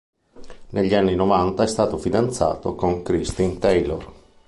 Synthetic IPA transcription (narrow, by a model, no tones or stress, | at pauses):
nʔeʎːianːinovant̪aɛst̪aːt̪ofid̪ant̪sa̰ːt̪okoŋkɾist̪int̪ejlor